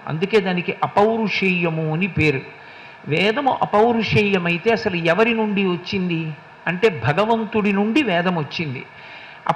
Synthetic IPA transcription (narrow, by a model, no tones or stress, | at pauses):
ɐ̰nd̪uke̞ːd̪aːnikiʔɐpɐwɾuʂɐjːɐmuɐnipeːɾu | ʋɛːd̪ɐmuʔɐpɐwɾuʂɐjːɐmɐjit̪e̞ːɐsɐluɛʋɐɾinuɳɖiʋɐt͡ʃːind̪i | ɐɳʈe̞ːbʱɐɡɐʋɐnt̪uɽinuɳɖiʋɛːd̪ɐmʋɐt͡ʃːind̪ḭ | ɐ̰